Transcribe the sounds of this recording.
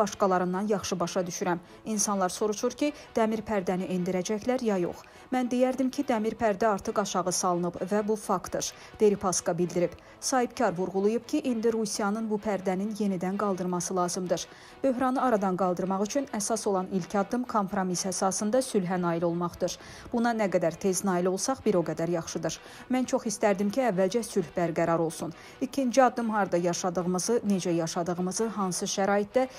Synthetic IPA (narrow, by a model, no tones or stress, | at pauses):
bɑʃkɑlˠɑɾɯnːɑnjɑχʃɯbɑʃɑd̪yʃyɾæm | insɑnlˠɑɾso̞ɾuʃʰuɾcʰi | d̪̥æmiɾpʰæɾd̪æniʔend̪iɾæd͡ʒæçlæɾjɑjo̞̰χ | mænd̪ejæɾd̪imcʰid̪æmiɾpʰæɾd̪æɑɾt̪ʰɯqɑʃɑʁɯsɑlˠɯnɯbvæbufɑkt̪oɾ | d̪̥e̞ɾipʰɑskɑbild̪iɾib̥ | sɑɦibcʰɑɾvuɾʁulˠujupcʰiʔind̪iɾusijɑnɯnbupʰæɾd̪æninje̞nid̪ænɡɑlˠd̪ɯɾmɑsɯlˠɑːzɯmd̪ɯɾ | b̥ø̞ɦɾɑnɯɑɾɑd̪ɑnɡɑlˠd̪ɯɾmɑʁyt͡ʃʰynæsɑso̞lˠɑnilcʰɑd̪ːɯmkʰo̞mpɾo̞misæsɑsɯnd̪ɑsylɦænɑːilo̞lˠmɑχd̪ɯɾ | b̥unɑnæɡæd̪æɾt̪ʰe̞znɑːilo̞lˠsɑχbiɾo̞ɡæd̪æɾjɑχʃɯd̪ɯɾ | mænt͡ʃʰo̞χist̪æɾd̪imcʰiævːæld͡ʒæsylhbæɾɡæɾɑɾo̞lˠsun | icʰind͡ʒiɑd̪ːɯmɦɑɾd̪ɑjɑʃɑd̪ɯʁɯmɯzɯne̞d͡ʒæjɑʃɑd̪ɯɣɯmɯzɯɦɑnsɯʃæɾɑːjit̪̚d̪æ